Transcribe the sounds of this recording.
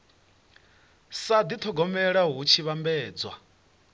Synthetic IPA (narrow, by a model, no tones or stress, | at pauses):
sad̪it̪ʰɔɡɔmɛɺaɦut͡ʃʰiβambɛːd͡zwa̰